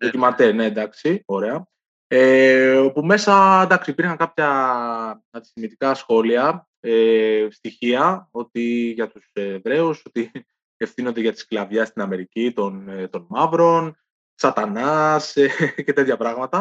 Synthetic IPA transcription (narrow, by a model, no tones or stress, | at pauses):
ðocimɐt̪ened̪ɐksio̞ɾe̞ɐ | epume̞sɐnd̪ɐksiipiɾxɐŋkɐpçɐ | ɐnd̪isθimit̪ikɐsxo̞liɐ | est̪içiɐo̞t̪iʝɐt̪usevɾe̞uso̞t̪i | e̞fθino̞nd̪e̞ʝɐt̪i̥sklɐvʝɐst̪inɐme̞ɾicit̪o̞nt̪o̞nmɐvɾo̞n | sɐt̪ɐnɐsece̞t̪e̞t̪çɐpɾɐɣmɐt̪ɐ